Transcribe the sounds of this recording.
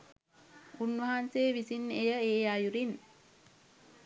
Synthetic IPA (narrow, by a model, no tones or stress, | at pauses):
unʋɐɦanseːʋisinejəeːajuɾin